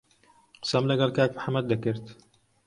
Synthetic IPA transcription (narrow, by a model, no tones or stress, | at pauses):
qɨ̥sɐmlɐɡɐlkaːkmħamːɐd̪̚d̪akɨɾt̪